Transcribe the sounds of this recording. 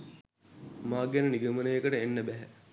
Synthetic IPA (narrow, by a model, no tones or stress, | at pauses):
maːɡɛnəniɡəmənəjəkəʈəenːəbæɦæ